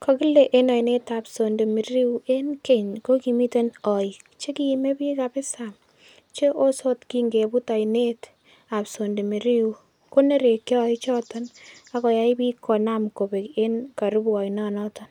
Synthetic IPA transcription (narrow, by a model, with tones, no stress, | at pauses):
kʰɔ˨ki˦le˨ʔe˦na˨jne˦tapso˨nde˨mi˨ɾi˦ue˦nke˦ɲko˦ki˨mi˦te˦nɔ˨j | t͡ʃe˦ki˨me˦pi˦ka˨pɪ˦sam | t͡ʃe˦ʔo˦so˦tkiŋɡe˨bu˦ta˨jne˦t | a˨pso˨nde˨mi˨ɾi˦wu | ko˦ne˦ɾe˨ke˦ɔ˦jt͡ʃɔ˦tɔna˦kɔ˨ja˨i˦pi˦kʰɔ˨namko˨be˨ke˦nka˨ɾu˦bɔ˨jnɔ˦nɔ˦tɔn